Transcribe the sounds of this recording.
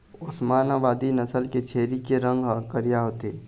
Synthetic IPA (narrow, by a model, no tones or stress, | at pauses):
ʊsmaːnaʋaːd̪inɐsəlket͡ʃʰeːɾikeɾə̃ŋɡʱkəɾijaɦot̪eː